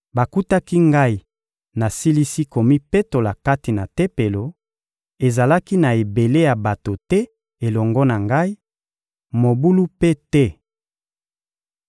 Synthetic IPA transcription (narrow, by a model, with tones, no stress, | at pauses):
ba˨ku˦ta˦ki˦ŋɡa˦i˨ | na˨si˦li˦si˦ko˨mi˦pe˦to˨la˨ka˦ti˨na˨te˦pe˨lo˨ | e˨za˨la˦ki˦na˨e˨be˨le˦ja˨ba˨to˨tɛ˦ | e˨lɔ˨ŋɡɔ˦na˨ŋɡa˦i˦ | mo˨bu˦lu˦pe˦tɛ˦